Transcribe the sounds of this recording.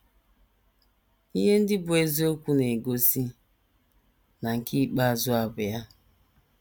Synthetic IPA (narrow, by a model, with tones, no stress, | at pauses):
i˦ɦe˦n̩˦dɪ˦bʊ˨e˨zi˦o˦kʷu˦ne˨ɡo˦si˦ | na˨ŋ̩˨ki˦˨k͡pa˦a˨zʊ˦a˨bʊ˨ja˦